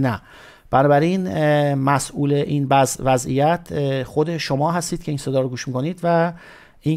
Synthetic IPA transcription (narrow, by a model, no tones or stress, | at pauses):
næ | b̥ænɒːbæɾinmæsʔuːleʔiːnbvæzʔḭjæt̪ʰxo̞d̪e̞ʃo̞mɒːɦæst̪iːd̪̚cʰe̞iːnsed̪ɒːɾoɡuːʃmikʰo̞niːd̪væ | ʔi